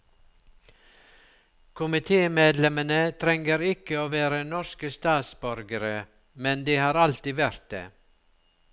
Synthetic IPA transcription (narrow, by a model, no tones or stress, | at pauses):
kʰʊmɪt̪ʰeːmeːd̪lɛmənət̪ʰɾɛŋəɾɪkəoːʋeːɾənɔʃkəst̪ɑːt̪sbœɾɡəɾə | mɛnd̪iːhɑːɾɑlt̪iːʋæɾt̪̚d̪ḛː